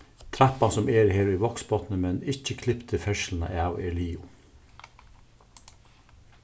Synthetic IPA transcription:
t̪ʰɾæpɑsɔmeːɾheːɾiːʋɔksbɔt̪nəmɛnɪçəkʰlɪpt̪ʰəfɛʃl̩n̩ə̰ʔɑːʋeɭiːʊ

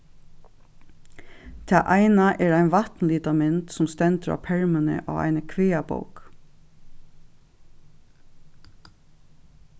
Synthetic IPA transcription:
t̪ʰæːʔæɪnaʔɛːɹæɪnʋɑt̪n̩liːt̪ɑmɪnt̪sʊmst̪ɛnt̪əɾɑ̰ːpʰɛɹmənə̰ʔɑ̰ːʋæ̰ɪnəkʰʋeːabo̰ʊk

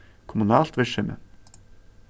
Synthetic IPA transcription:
kʰʊmʊnɑːlt̪ʋɛʃʏmʔə̰

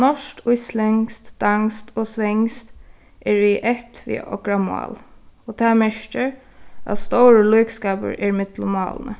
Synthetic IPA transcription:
nɔʂt̪ʊjslɛŋst̪d̪̥aŋst̪ʰɔsʋɛŋst̪ | ʔɛɹiʔɛht̪ʋḭɔ̰kɹamɔ̰ːlɔt̪ʰamɛʃcɪɹ | a̰t̪st̪ɔwɹəluːkskaːpə̰ɹʔɛɹɪmɪt̪lʊmːɑ̰ːlə̰nə̰

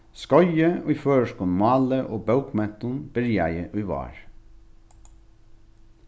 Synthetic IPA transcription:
skɔʏjəɔføːʃkʊnmɑːləʔoːbœʉkmɛt̪ʊnb̥əɾjæ̰ɪəʔʉʏʋɑ̰ːɹ

